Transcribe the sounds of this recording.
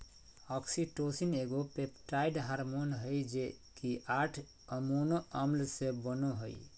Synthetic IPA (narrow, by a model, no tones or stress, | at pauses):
ɔksiʈosineɡopepʈaiɖɦaɾmonɦəjd͡ʒe | kiʔaʈʰ | əmonoəmlsebənoɦə̰j